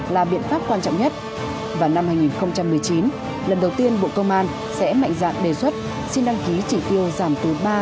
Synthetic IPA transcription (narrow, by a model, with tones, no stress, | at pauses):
laː˨˩ɓḭ˧ənfaː˦˥p̚kwaː˧nt͡ɕɔ̰˧˨wŋ͡mɲə˦˥t̚ | vaː˨˩wna˧mhaː˧jŋi˨˩nxə˧wŋ͡mt͡ɕa˧mːɨ˨˩əjt͡ɕi˨˦n | lə˨˩nɗə˨˩wt̪i˧ənɓo̰˧˨kə˧wŋ͡mʔaː˧n | sɛ̰˧˥ma̰˧˨ŋ̟za̰ː˧˨nɗe˨˩swə˦˥t̚ | si˧nɗa˧ŋki˨˦t͡ɕi˧˩t̪i˧əwzaː˧˩mt̪u˨˦n̚ɓaː˧